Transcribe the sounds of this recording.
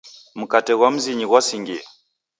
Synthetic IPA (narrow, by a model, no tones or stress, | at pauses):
m̩katɛɣwam̩ziɲiɣwasiŋɡia